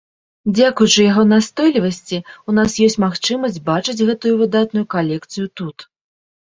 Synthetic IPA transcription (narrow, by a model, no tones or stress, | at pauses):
d͡zʲakujut͡ʂɨjaɣɔnast̪ɔjlʲivɐsʲt͡sʲiunasjɔsʲt͡sʲmaxt͡ʂɨmɐsʲd͡zʲbat͡ʂɨd͡zʲɣɛt̪ujuvɨd̪at̪nujukalʲɛkt̪sɨjut̪ut̪